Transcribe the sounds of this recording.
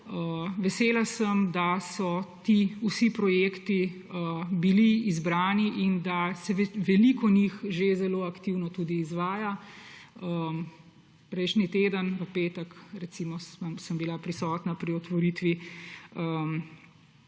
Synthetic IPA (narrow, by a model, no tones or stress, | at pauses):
əʋɛseːlasəmd̪asɔt̪iusipɾɔjeːkt̪i | əbiliːzbɾaːniʔind̪asɛʋɛlikɔnixʒezɛloːakt̪iwnɔt̪uːd̪iːzʋaːja | ə | pɾɛjʃnit̪eːd̪ənʋɐpeːt̪əkɾɛt̪simɔsamsəmbilapɾisɔːt̪napɾiɔt̪ʋɔɾit̪ʋi | ə